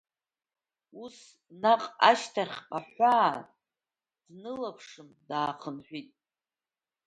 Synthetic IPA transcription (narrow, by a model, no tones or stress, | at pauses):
us | naqʼaʃtʰaχʲqʼaħaː | d̥nɨlapʰʂɨmdaːχʰənħʷᶣitʼ